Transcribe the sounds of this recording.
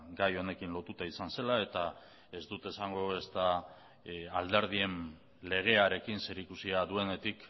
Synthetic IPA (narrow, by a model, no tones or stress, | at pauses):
ɡajo̞ne̞kinlo̞t̪ut̪aisanse̞lae̞t̪a | e̞zd̪ut̪e̞saŋɡo̞est̪a | ald̪e̞ɾðie̞n | le̞ɣ̞e̞aɾe̞kinse̞ɾikusiaðue̞ne̞t̪ik